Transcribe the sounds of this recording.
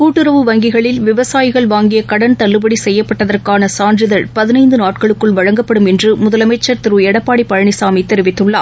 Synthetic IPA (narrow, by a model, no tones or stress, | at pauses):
kuːʈːɯɾɐʋɯʋɐŋɡɪɣɐɭɪlʋɪʋɐsaːjɪɣɐɭʋaːŋɡɪjɐkɐɽɐnt̪ɐɭːɯbɐɽisɛjːɐpːɐʈːɐðɐrkaːnɐsaːndrɪðɐɭpɐðɪnɐɪnd̪ɯnaːʈkɐɭɯkːɯɭʋɐɻɐŋɡɐpːɐɽɯmɛndrɯmʊðɐlɐmɐɪt͡ʃːɐɾt̪ɪɾɯɛɽɐpːaːɽipːɐɻɐɳɪsaːmit̪ːɛɾɪʋɪt̪ːɯɭːa̰ː